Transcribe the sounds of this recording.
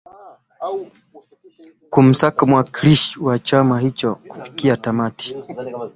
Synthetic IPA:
kum̩sakamwakiliʃwat͡ʃamaɦit͡ʃɔku̥fi̥kiatamati̥

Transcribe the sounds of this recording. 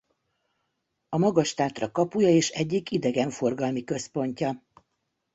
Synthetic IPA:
ɒmɒɡɒʃt̪aːt̪rɒkɒpujɒeːʃɛɟːikid̪ɛɡɛɱfo̞rɡɒlmikø̞spo̞ɲcɒ

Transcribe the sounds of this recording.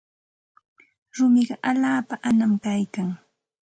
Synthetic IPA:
ɾʊmɪɢɑʔaʎaːpaʔanamkajkaŋ

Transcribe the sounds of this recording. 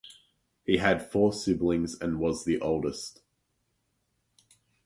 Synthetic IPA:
hiəd̥fɔːsɪblɪ̃ŋzə̃nwɒzðiʔoʊlˠdəst

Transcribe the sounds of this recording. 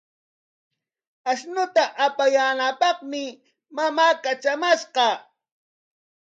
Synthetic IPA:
aʃnʊt̪aʔapajaːnapɑχmɪ | mamaːkat͡ʃamaʃqɑ

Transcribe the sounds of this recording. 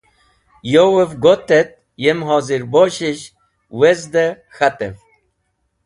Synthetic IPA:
jowevɡot̪et̪̚ | jemɦɔːziɾboɕiɕ | wezd̪ə | xat̪ḛv

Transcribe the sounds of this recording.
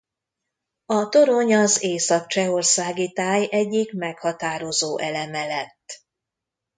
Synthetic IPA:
ɒt̪o̞ɾo̞ɲɒzeːsɒk̚t͡ʃɛo̞rsaːɡit̪aːjɛɟːikmɛkhɒt̪aːɾo̞zoːʔɛlɛmɛlɛt̪ː

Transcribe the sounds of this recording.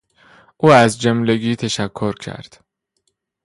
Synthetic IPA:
ʔuːæzd͡ʒemleɡiːt̪ʰæʃækʰːoɾcʰæ̰ɾd̪̥

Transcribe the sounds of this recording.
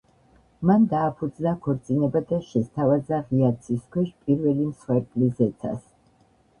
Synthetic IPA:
mand̪aːpʰud̪znakʰɔɾt̪sʼinɛbad̪aʃɛst̪ʰavazaʁiat̪sʰiskʰwɛʃpʼiɾvɛlimsχwɛɾkʼlizɛt̪sʰa̰s

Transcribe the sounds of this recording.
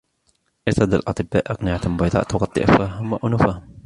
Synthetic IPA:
ʔɪt̪ɑd̪alʔɑt̪ˤɨbːa̰ːʔɑqnɪʕat̪mʊbɑjd̪ˤɑ̰ːʔt̪ʊɣɑt̪ˤːɨ̰ʔafaɦʊmːaʔʊnʊfa

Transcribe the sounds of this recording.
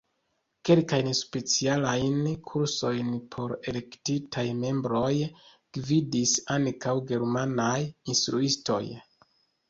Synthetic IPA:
ke̞lkajnspe̞t͡sialajnkʰuɾso̞jnpʰo̞ɾe̞le̞ktitʰajme̞mbɾo̞j | ɡ̥vidisankawɡe̞ɾmanajinstɾuisto̞̰j

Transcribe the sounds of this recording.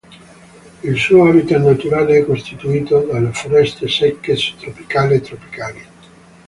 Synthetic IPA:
ilsuːoabit̪anːat̪uɾaːleɛkːost̪it̪uiːt̪od̪alːefoɾɛst̪esɛkːest̪ɾopi̥kaːlet̪ːɾopi̥kaːli

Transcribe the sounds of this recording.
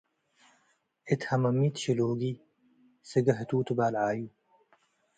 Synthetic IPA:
ɪt̪hɐmɐmːiːt̪ɕiloːɡiː | səɡɐɦɐt̪uːt̪ubaːlʕaːjuː

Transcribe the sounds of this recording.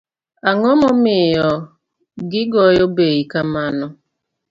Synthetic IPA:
aŋɔmɔmɪjɔ | ɡɪɡɔjɔbejikamanʊ

